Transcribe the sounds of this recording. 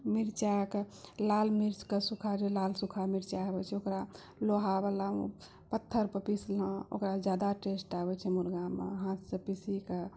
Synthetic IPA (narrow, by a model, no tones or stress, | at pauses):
miɾt͡ʃakelalmiɾt͡ʃkesukʰad͡ʒelalsukʰamiɾt͡ʃaɦəbɛt͡ʃʰɛokɾa | loɦabalaṵ | pət̪ʰːəɾpəpislə̃o̰kɾad͡ʒjad̪aʈesʈabɛt͡ʃʰɛmuɾɡamḛɦãt̪sə̃pisike